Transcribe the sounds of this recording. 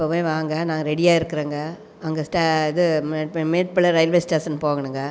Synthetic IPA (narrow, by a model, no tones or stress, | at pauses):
ɪpːɐpoːjʋãːŋɡɐnaːŋɡɐɾɛɽɪjaːɪɾɯkːɯɾeːŋɡɐ | ɐŋɡɐsʈaɪðɯmmeːʈpɪɭɐɾɐɪlʋeːsʈaːsɐnɯpoːŋɡɐɳɯŋɡɐ